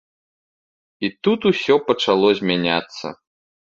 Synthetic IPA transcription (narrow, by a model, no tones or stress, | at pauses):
it̪ut̪usʲɔpɐt͡ʂalˠɔzʲmʲanʲat̪sːɐ̰